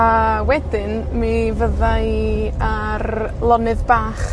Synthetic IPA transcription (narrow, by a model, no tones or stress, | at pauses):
awɛdɪn | mivəða | arlˠɔnɨðbaːχ